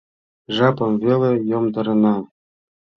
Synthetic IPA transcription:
ʐɑpɤ̆mvʲelʲĕjŏmd̪ɤ̆ɾɤ̆nɑ

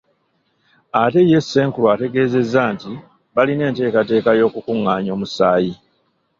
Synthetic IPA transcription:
ate̞je̞sːe̞ːŋkulwaːte̞ɡe̞ːze̞zːaːnti | βaline̞ːnte̞ːkate̞ːkajo̞ːkukuŋːaːɲo̞ːmusaːji

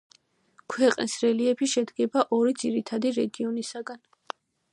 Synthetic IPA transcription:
kʰwɛqʼnisɾɛliɛbiʃɛd̪ɡɛbaʔɔɾid̪ziɾit̪ʰad̪iɾɛɡiɔnisaɡan

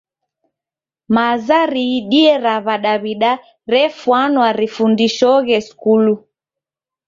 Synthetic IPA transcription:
mazaɾiːɗiɛɾaβaɗaβiɗa | ɾɛfwanwaɾifundiʃɔɣɛskulu

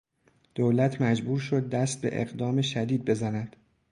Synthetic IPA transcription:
d̪̥owlæt̪ʰmæd͡ʒbuːɾʃo̞d̪̚ːæst̪̚be̞̰ʔḛɣd̪ɒːmeʃæd̪iːd̪̚be̞zænæd̪̥

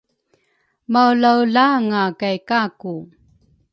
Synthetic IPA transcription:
mawlawɮaŋakajkaku

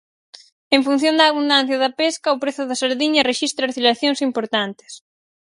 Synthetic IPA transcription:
eɱfunθjond̪ɐːβund̪an̟θjɐðɐpeskɐʊpɾeθʊðɐsaɾðiɲɐreʃist̪ɾɐːɾθilɐθjoŋsimpoɾt̪ant̪ɪ̥s

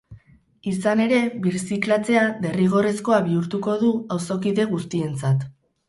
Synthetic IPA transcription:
isane̞ɾe̞βiɾsiklat͡se̞aðe̞riɣ̞o̞re̞sko̞aβiuɾt̪uko̞ðuawso̞kiðe̞ɣ̞ust̪ie̞nt͡sat̪

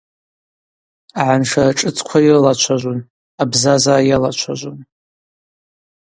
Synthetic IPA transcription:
aʕanʂaʈ͡ʂʼɨt͡sʰʼkʷʰairɨlat͡ʃʷʰaʒʷon | abzazaːjalat͡ʃʷʰaʒʷon

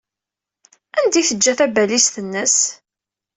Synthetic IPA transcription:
ænd̪iθəd͡ʒːæθæbælisθənːəs

